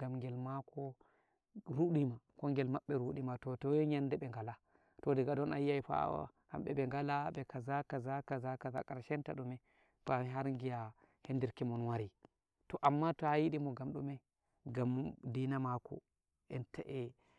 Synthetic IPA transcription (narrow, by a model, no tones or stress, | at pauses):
ɡamŋɡɛlmakʰɔ | ɾuɗimakɔŋɡɛlmaɓːɛɾuɗimatɔtɔwɲandɛɓɛŋɡala | tɔdɛɡadɔnajiajfa̰wa̰ | ha̰mɓɛbɛŋɡalabɛkazakazakazakaza̰kʼaɾʃɛnta̰ɗumɛ | faɦaɾŋɡija | hɛndiɾkimɔnwaɾi | tɔʔamːatɔhajiɗimɔɡamɗumɛ | ɡamdinamakɔ̰ | ɛntaʔɛ